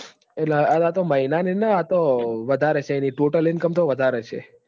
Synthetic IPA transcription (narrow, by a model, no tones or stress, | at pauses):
eʈleaat̪oməɦinaninəat̪oʋəd̪ʱaɾɛt͡ʃʰeiniʈoʈəlɪnkəmt̪oʋəd̪ʱaɾɛt͡ʃʰḛ